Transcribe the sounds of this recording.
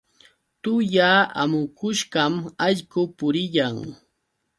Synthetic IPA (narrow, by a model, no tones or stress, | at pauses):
t̪ʊjaːa̰mʊkʊʃɢɑmɑʎkʊpʊɾɪʎaŋ